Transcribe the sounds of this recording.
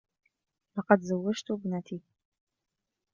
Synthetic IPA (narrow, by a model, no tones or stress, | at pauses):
lɑqɑd̪zawːad͡ʒt̪ubnat̪ʰiː